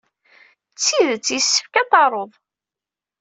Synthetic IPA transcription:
t͡sːiðt͡sːjsːə̥fkæt̪ɑɾˤoðˤ

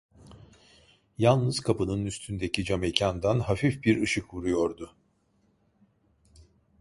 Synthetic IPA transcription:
jalˠnɯz̥kʰapɯnɯnyst̪ʰynd̪e̞cʰid͡ʒamecʰand̪anhafifbiɾɯʃɯkvuɾujo̞ɾd̪ʊ

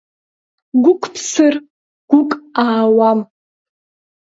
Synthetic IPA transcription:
ɡʷʊkʷʰpʰsɨr | ɡ̥ʷʊkʼaːwam

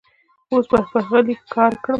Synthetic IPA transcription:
osbapaɣalikɑɾkɽəm

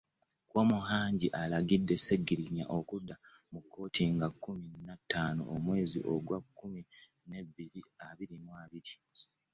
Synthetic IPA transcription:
kwomuɦaːɲɟiʔalaɡidːe̞se̞ɡːiɾiɲa̰ʔo̞kudːa | mukʰːo̞ːtʰiŋɡakʰːuminːatːaːno̰ʔomwe̞ːzḭʔo̞ɡwakːumi | ne̞bːiɾiaβiɾimwaβiɾi

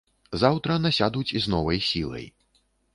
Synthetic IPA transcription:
zawt̪ɾɐnɐsʲad̪ut͡sʲiznɔvɐjsʲilˠɐ̰j

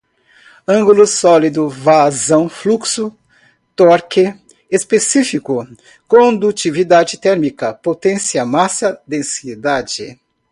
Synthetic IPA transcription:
ɐ̃ŋɡulʊsɔlid̪ʊvazɐ̃w̃fluksʊ | t̪ɔɾkɪ | espesifikʊ | kõd̪ut͡ʃivid̪ad͡ʒɪt̪ɛɾmikɐpot̪ẽsiɐmasɐd̪ẽsid̪ad͡ʒɪ̰

